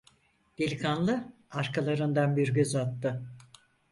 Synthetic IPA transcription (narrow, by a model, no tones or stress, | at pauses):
d̪̥ilʲkʰanlˠɯ | aɾkʰalˠaɾɯnd̪anbiɾɟøzat̪ːɯ